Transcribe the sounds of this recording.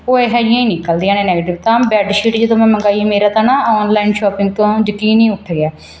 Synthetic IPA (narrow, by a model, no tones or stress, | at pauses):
oːeːɦɛːd͡ʒiãːĩːnĩːkəld̪iːãːnẽːnɛːɡeːʈɪʋt̪ãːbɛːɖʃiːʈd͡ʒɪd̪õːmɛ̃ːməŋɡaːiːmeːɾaːt̪ãːnãːɔːnlaːinʃɔːpɪ̃ŋɡt̪õːd͡ʒəkiːnĩːʊʈʰːɡɪaː